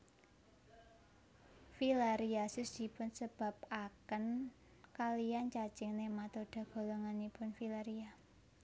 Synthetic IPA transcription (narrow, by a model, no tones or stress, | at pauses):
filaɾiasʊsd̪̥i̤pʊnsəb̥a̤p̚akən | kalijant͡ʃḁt͡ʃɪŋnemat̪od̥a̤ɡ̥o̤loŋanipʊnfilaɾia